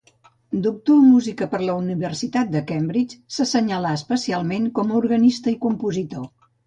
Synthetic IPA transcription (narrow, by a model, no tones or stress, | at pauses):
d̪uk̚t̪omuzikəpəɾləuniβərsit̪at̪̚d̪əkɛmbɾit͡ʃsəsəɲəlaəspəsialˠmeŋkɔməuɾɣənist̪əikumpuzit̪o